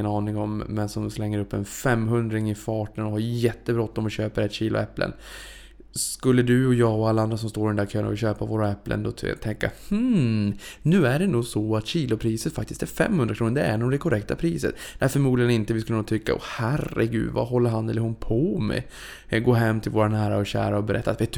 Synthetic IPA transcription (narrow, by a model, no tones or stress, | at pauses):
ənɑːnɪŋɔmːɛnsɔmslɛŋːəɾɵpːɛnfɛmːɦɵnd̪ɾɪŋɪfɑːʈənɔɦaɾjɛt̪ːəbɾɔt̪ːɔmɔɕøːpəɾɛt̪ːɕiːlʊ̰ɛpːlə̰n | skɵlːəd̪ʉɔjɑːɡɔalːaand̪ɾas̬ɔmst̪oːɾɪd̪ɛnd̪æɾkʰøːna̰vɪɕøːpavoːɾaɛpːlʔə̰nd̪ɔt̪ʰt̪ʰɛŋkːa̰hm̩ | nʉ̟ːæɖɛnuːɡsɔat̪ɕiːlʊpʰɾiːsət̪fak̚t̪ɪst̪æɾfɛ̰mːhɵnd̪ɾakʰɾuːnənd̪ɛæ̰ɾnʊmd̪ɛkʰʊɾɛk̚t̪ʰapʰɾiːsə̰t̪d̪ɛæɾfœɾmuːd̪lɪjənɪnt̪əvɪskɵlːənuːt̪ʰʏkːa̰ʔɔ̰hærɛ̰ɡʉ̟̰ːd̪va̰ɦɔlːəɾɦanɛlːəɾʊnpʰɔmɛ̰ | ɡoːɦɛmːt̪ʰɪlvoːɾanæːɾaɔɕæ̰ːɾaɔbɛɾɛt̪ːat̪ve